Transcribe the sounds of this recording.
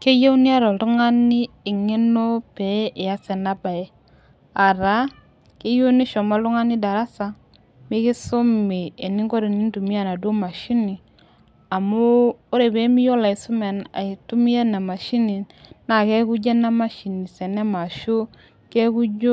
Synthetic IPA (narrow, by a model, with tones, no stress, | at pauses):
ke˦je˦wni˦a˦ɾɔ˨tu˦ŋa˦nɪ˦ | ɪ˨ŋe˦no˦pe˨˦ɪ˨ja˦sɛ˨na˦ba˨e˦ | a˨ɾa˦ | ke˦ju˦ni˦ʃɔ˨ma˦lʊ˦ŋa˦ni˦da˨ɾa˦sa˨ | mɪ˦kɪ˦sʊ˦mi˨e˨ni˦ŋko˦ɾe˨ni˦ntu˨mi˦a˨na˨do˦ma˨ʃi˦ni˨ | a˨mʊː˦ɾe˨be˨˦mi˦jo˦la˨ɪ˨sʊ˦mɛ˨na̰˨ɪ˨tu˦mi˦a˦na˨ma˨ʃi˦ni˨ | na˦˨ke˦ku˦d͡ʒe˦na˦ma˦ʃi˨ni˨sɛ˨nɛ˦ma˨ʃo˦ | ke˦ku˦d͡ʒo˦